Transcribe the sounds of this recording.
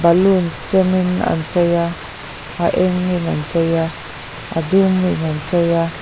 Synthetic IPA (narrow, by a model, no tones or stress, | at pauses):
balunsemina̰nt͡ʃaja | aʔeŋːinant͡ʃaja | a̰duminant͡ʃaja